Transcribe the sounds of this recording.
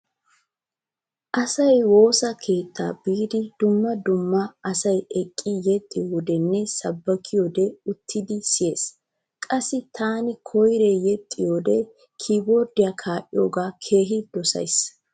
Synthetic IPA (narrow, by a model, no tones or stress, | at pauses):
ʔɐsɐjwo̞ːsɐkʰe̞ːt̪ʰːa̰ːbiːd̪ɪd̪ʊmːɐd̪ʊmːɐʔɐsɐjɛkʼːɪjɛt̪ʼːɪjoːd̪ɛnːɛsɐbːɐkʰɪjod̪ɛʊt̪ʰːɪd̪ɪsɪje̞ːs | kʼɐsːɪt̪ʰaːnɪkʰɔjɾejɛt̪ʼːɪjoːd̪ɛ | kʰiːbɔɾd̪ɪjɐkʰaːʔɪ̰joːɡaːkʰe̞ːɦɪd̪ɔsɐ̰js